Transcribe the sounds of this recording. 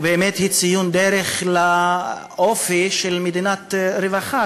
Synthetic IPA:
beːmet̪hit͡sijund̪eɾeχlaʔofiʃelmed̪inat̪ɾevaχa

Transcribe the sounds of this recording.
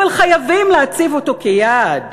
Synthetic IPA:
alχajavimleat͡sivo̞t̪o̞kejad

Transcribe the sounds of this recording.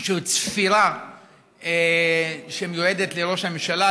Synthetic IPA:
ʃeit͡sfiɾa | e | ʃemjoed̪et̪leʁo̞ʃamemʃala

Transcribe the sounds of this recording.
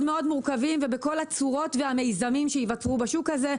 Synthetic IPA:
dme̞o̞dmuʁkavimvebeko̞lat͡suʁo̞tvehame̞jzamimʃeivat͡sʁubaʃukhaze̞

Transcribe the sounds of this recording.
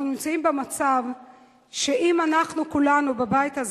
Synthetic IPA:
unimt͡saimbemat͡sav | ʃe̞ʔimanaχnukulanubebajitaz

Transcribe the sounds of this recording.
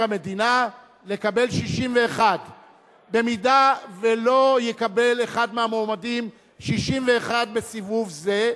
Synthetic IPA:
ame̞d̪ina | le̞kabe̞lʃiʃimve̞ːχad | be̞midave̞lo̞jekabe̞le̞χad̪meamomadim | ʃiʃimve̞ːχad̪̚be̞sivuvze̞

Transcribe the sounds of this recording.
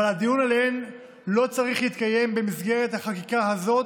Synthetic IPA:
alhad̪ijunalen | lo̞t͡saʁiχhit̪kaje̞mbe̞misɡe̞ʁe̞t̪haχakikaɦazo̞t

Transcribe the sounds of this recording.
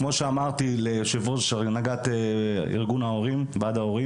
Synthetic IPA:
kmo̞ʃeamaʁt̪ileʃevozʃnaɡat̪eḭʁɡunaoʁimbad̪aoʁi

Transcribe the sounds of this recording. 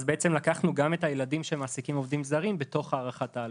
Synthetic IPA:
zbeet͡se̞mlakaχnuɡame̞tajeladimʃe̞maːsikimo̞vdimzaʁimbe̞to̞χaːʁaχataː

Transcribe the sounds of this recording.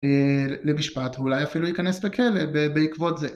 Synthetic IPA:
lemiʃpat̪vulajafilujikanesbekʰelebebeikvo̞t̪ze

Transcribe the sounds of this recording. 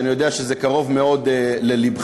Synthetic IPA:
nijo̞d̪eaʃezekaʁo̞vmeo̞d̪elelibχ

